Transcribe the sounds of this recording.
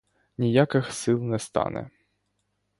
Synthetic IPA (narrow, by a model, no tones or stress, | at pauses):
nʲijakɪxsɨlˠnɛst̪a̰nɛ̰